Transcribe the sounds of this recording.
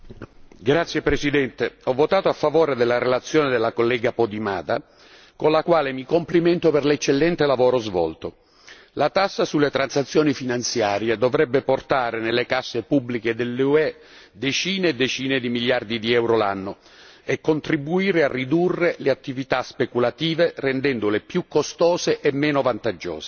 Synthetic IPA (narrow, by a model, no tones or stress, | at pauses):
ɡɾat̪sːjepɾesid̪ɛnt̪eɔvːot̪aːt̪oafːavoːɾed̪elːaɾelat̪sːjɔːned̪elːakolːɛːɡapod̪ima̰ːd̪a | konlakwaːlemikompliment̪operlet͡ʃːelːɛnt̪elavoːɾozvɔ̰lt̪o | lat̪asːasulːet̪ɾansat̪sːjoːnifinant̪sjaːɾjed̪ovɾɛbːeport̪aːɾenelːekasːepubːliked̪elːuɛ | d̪et͡ʃiːneːd̪ːet͡ʃiːned̪imiljard̪id̪iɛwɾola̰nːo | ekːont̪ɾibuiːɾearːid̪urːeleat̪ːivit̪aspekulat̪iːverend̪ɛnd̪olepjukːost̪ɔːzeʔemːɛːnovant̪ad͡ʒːɔ̰ːse̥